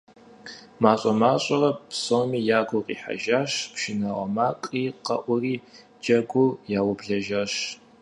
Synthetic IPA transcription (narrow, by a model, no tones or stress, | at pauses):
maːɕʼɐmaːɕʼɐrɐpsomiːjaːɡʷʊqʼḭːħa̰ʒaːɕpʃɪnaʁɐ̰maːkʼiːqɐʔʷʊriː | d͡ʒʼɐɡʷujaːwʊbɮɐʒaːɕ